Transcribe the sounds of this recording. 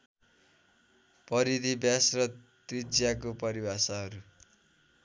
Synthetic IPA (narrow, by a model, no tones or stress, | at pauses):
pʌɾid̪ibjasrʌt̪rid͡zjakopʌɾibasʌɦʌɾu